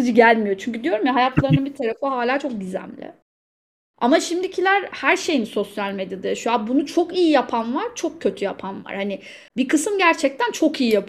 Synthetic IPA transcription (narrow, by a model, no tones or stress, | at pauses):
ɯd͡ʒɯɟælʲmijo̞t͡ʃʰyɲc̬yd̪ijo̞ɾmiɦajat̪ʰlˠaɾɯnabit̪ʰaɾafɯɦaːlʲaːt͡ʃʰo̞k̚ɟyzæ̰mlʲɪ̰ | a̰maʃimd̪icʰilʲæɾhæɾʃe̞jinso̞sjalʲmed̪jad̪ajʃuabunut͡ʃʰo̞kijijapʰanvaɾ̥t͡ʃʰo̞kcʰːø̞t̪ʰyjapʰanva̰ɾ̥hanɪ | bikʰɯsɯmɟæɾt͡ʃʰɛc̚t̪ʰænt͡ʃʰo̞kijijap